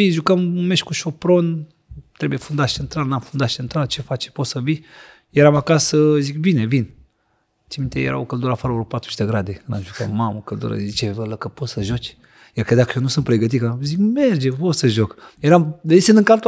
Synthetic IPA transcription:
iʒukəmumeʃkuʃopɾon | t̪ɾebujefund̪at͡ʃent̪ɾalnamfund̪at͡ʃent̪ɾalt͡ʃefat͡ʃe̥pot̪səvi | jeɾamakasəzik̚binevin | t͡ʃemint̪ejḛɾa̰wokəld̪uɾafaɾoɾopat̪ɾu̥t͡ʃd̪eɡɾad̪ena̰mʒukammamokəld̪ṵɾa̰zit͡ʃevələkəposəʒot͡ʃ | jaɾkəd̪akəjonusɨnt̪pɾeɡət̪̬itkazikmeɾd͡ʒevosəʒokjeɾamdeisend̪ɨŋkalt̪

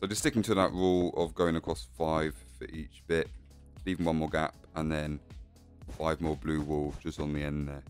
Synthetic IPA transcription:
səʊd͡ʒʌstɪkɪ̃ŋtʰəðə̰ʔɹɔːləvɡəʊɪ̃ŋəkʰɹ̥ɒsfaɪv̥fə̰ɹʔiˑt͡ʃb̥ɪʔ | liːvɪ̃ŋwʌ̃nmɔːɡa̰p | ə̃nðə̃n | faɪvmɔːblʉːwɔːlˠd͡ʒʌstn̩ðiɛ̃nðə

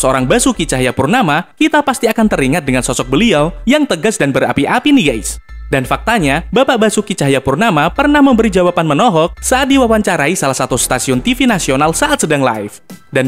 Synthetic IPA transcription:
səoɾaŋbasukit͡ʃaɦajapurnamakit̪apast̪iakant̪əɾiŋat̪̚dəŋansɔsɔk̚bəliawjaŋt̪əɡasdanbəɾa̰piʔapiniɡajsdanfak̚t̪aɲabapaʔbasukit͡ʃaɦajapurnamapərnahməmbəɾid͡ʒawapanmənɔɦɔk̚saat̪̚diwawaɲt͡ʃaɾaisalahsat̪ust̪asiʊnt̪ifinasionalsaʔat̪sədaŋla̰ɪfdan

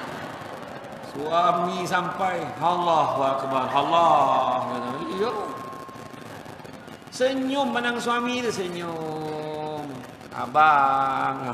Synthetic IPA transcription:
suamis̬ampajɦalahakəbanɦalaɡanalijo | səɲʊmːənaŋsuamidəsəɲo | m | a̰baŋa

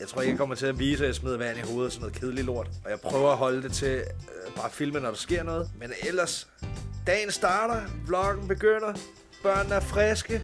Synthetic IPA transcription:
jɑ̈ɪt͡sʰʁo̰ɐeɡ̥akʰɒ̽m̰ɐt͡sʰe̝læʋiːs̬jasmeð̞ˠɐʋæɐniɦo̝ːð̞̩ˠsɒ̽mnoð̩ˠkʰe̝ð̞ˠəlilo̝ɐ̰d̥ʔɒ̽jɑ̈ɪpʰʁœːʊɐæɦɒ̽ld̥e̝t͡sʰe̝ | b̥ɑ̈ːfilmənːɒɾ̥ɑ̈sɡ̥e̝ɐ̰nɔ̽ːð̩ˠmenel̰ɐsd̥ɛ̰ːnsd̥ɑ̈ːɾ̥ɐblɒ̽ɡ̥n̩b̥e̝ɡ̥øn̰ɐ | b̥ɶɐ̰nn̩æɐfʁɛsɡ̥ə

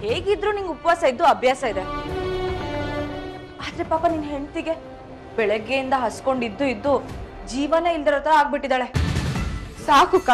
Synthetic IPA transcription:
heːɡid̪ɾuːniŋɡupɐʋaːsɐid̪ːuɐbʱjaːsɐid̪e | aːd̪ɐɾe̞paːpɐninɦe̞ɳt̪iɡe̞ | bɛɭɛɡːe̞jind̪ɐɦɐsko̞ɳɖid̪ːuid̪ːu | d͡ʒiːʋɐneːild̪iɾoːt̪ʰɐɾɐaːɡ̚biʈːid̪aːɭe | saːkukaː

